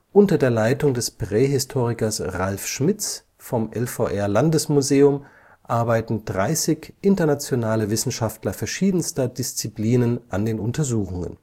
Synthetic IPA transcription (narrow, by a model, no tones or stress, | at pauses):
ʔʊntɐdeːɐlaɪtʊŋdɛspʁ̥eːɦɪstʰoːʁ̞ɪkɐsʁalfʃmɪt͡s | fɔmʔɛlfo̰ʔɛɐlandəsmuzeːʊm | ʔaɐbaɪtn̩dʁaɪsɪçʔɪntɐnat͡sjonaːləvɪsn̩ʃaftlɐfɛɐʃiːdn̩stɐdɪst͡sipliːnənʔandeːnʊntɐzuːxʊŋə̰n